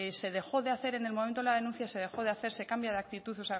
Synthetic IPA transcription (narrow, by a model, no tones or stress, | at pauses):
se̞ðe̞xo̞ðeaθe̞ɾe̞ne̞lmo̞mẽnt̪oelað̞e̞nũn̟θjase̞ð̞e̞xo̞ðeaθe̞ɾse̞kambjaðeak̚t̪it̪uθosea